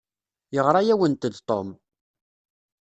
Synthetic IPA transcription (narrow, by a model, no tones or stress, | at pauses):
jəʁɾˤɑjæwənt̪d̪t̪ˤom